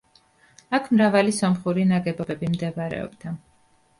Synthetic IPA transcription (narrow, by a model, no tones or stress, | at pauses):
akʰmɾavalisɔmχuɾinaɡɛbɔbɛbimd̪ɛvaɾɛ̰ɔ̰bd̪a